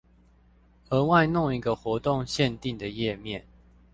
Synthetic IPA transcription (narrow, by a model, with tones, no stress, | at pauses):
ə˧˥wa˥˧ɪno˥˨ŋi˨˥ɡə˨xwɔ˧˥t̪o˥˨ŋɕjɛ˥˧nt̪i˥˨ŋd̪ə˩jɛ˥˨mjɛ˥˨n